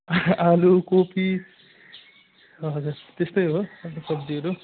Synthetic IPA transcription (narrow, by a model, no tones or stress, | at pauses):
alukopi | ʌd͡zurt̪est̪ʌjɦoʌt̪ʌsʌbd̪iʌɾu